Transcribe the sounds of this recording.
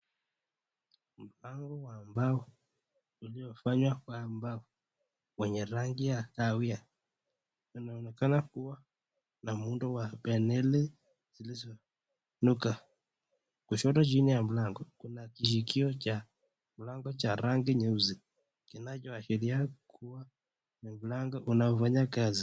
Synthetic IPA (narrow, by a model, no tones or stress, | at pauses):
m̩laŋɡɔwambawu | uliɔfaɲwakwambau | wɛɲɛɾaŋɡijakawia | inaɔnɛkanakuwa | namunduwapɛnɛlɛ | z̥ilizɔ | nuka | kuʃɔtɔd͡ʒinijam̩laŋɡɔkunakiʃikiɔt͡ʃa | mulaŋɡɔt͡ʃaɾaŋɡiɲɛuzi | kinat͡ʃɔaʃɛɾiakʰuwa | nimulaŋɡɔʔunaɔfaɲakazi